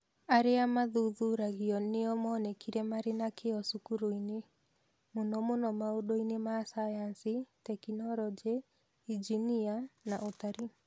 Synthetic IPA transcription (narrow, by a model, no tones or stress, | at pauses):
aɾeamaðuðuɾaɣiɔneɔmɔːnɛkʰiɾɛmaɾenakeɔsukuɾoine | monɔmonɔmaodoinemasajansitɛkinɔɾɔd͡ʒe | id͡ʒinianaʔotaɾi